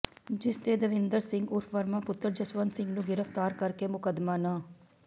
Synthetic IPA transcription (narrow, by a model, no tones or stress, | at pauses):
d͡ʒɪst̪eːd̪ɐʋɪnd̪əɾsɪ̃ŋɡʊɾfʋɐɾmapʊt̪ːəɾd͡ʒɐsʋansɪ̃ŋɡnuɡɪɾəft̪aːɾkɐɾkemʊkəd̪maːnaː